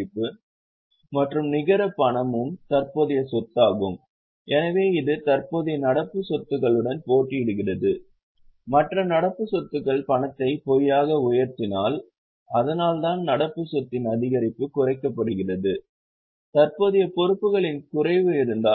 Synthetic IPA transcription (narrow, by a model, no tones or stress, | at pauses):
ɪpːɯ | mɐʈrɯmnɪɣɐɾɐpːɐɳɐmɯmt̪ɐrpoːðɪjɐsɔt̪ːaːɣɯm | ʔɛnɐʋeːɪðɯt̪ɐɾpoːðɪjɐnɐɽɐpːɯsɔt̪ːɯɣɐɭɯɽɐnpoːʈːɪɪɽɯɣɪrɐðɯ | mɐʈrɐnɐɽɐpːɯsɔt̪ːɯɣɐɭpɐɳɐt̪ːɐɪpɔjaːɣɐʊjɐɾt̪ɪnaːl | ɐðɐnaːlt̪aːnnɐɽɐpːɯsɔt̪ːɪnɐðɪɣɐɾɪpːɯkʊrɐɪkːɐpːɐɽɯɣɪrɐðɯ | t̪ɐrpoːðɪjɐpɔɾɯpːɯɣɐɭɪnkʊrɐɪʋɯɪɾɯnd̪aː